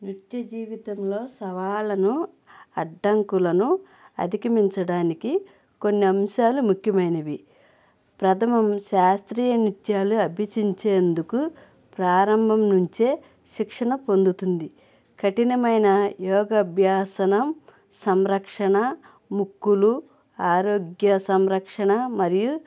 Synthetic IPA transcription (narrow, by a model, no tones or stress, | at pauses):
nit̪jɐd͡ʒiːʋit̪ɐmlo̞ːsɐʋaːlɐnu | ɐɖːɐŋkulɐnu | ɐ̰d̪ʱikɐmiɲt͡ʃɐɽaːniki | ko̞nːiɐmʃaːlumukʰjɐmɐjnɐʋi | pɾɐt̪ʰɐmɐmʃaːst̪ɾiːjɐnit̪jaːluɐbʱit͡ʃiɲt͡ʃe̞ːnd̪uku | pɾaːɾɐmbʱɐmnuɲt͡ʃe̞ː | ʃikʂɐɳɐpo̞nd̪ut̪und̪i | kʰɐʈinɐmɐjnɐjɔːɡɐbʱjaːsɐnɐm | sɐmɾɐkʂɐɳɐ | mukːulu | aːɾo̞ːɡjɐsɐmɾɐkʂɐɳɐmɐɾiju